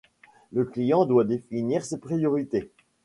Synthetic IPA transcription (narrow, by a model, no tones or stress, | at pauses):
ləklijɑ̃d̪wad̪efiniʁsepχijɔʁit̪e